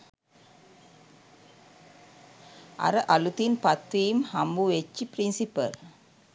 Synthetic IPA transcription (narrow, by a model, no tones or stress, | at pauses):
a̰ɾəʔalut̪inpat̪ʋiːmhambuʋet͡ʃːiprinsipə̰l